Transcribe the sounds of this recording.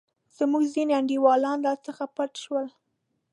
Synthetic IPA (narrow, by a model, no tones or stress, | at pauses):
z̥əmuɡzineaɳɖiwɑlɑnd̪ɑt͡səxapaʈʃwəl